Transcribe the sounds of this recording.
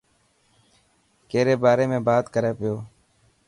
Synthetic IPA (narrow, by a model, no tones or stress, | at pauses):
keːɾeːbaːɾeːmẽːbaːt̪kəɾeːpɪjoː